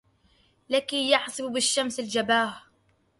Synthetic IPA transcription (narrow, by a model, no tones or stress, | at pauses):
lakijaħsˤɪbbɪʃːamsɪld͡ʒabaːh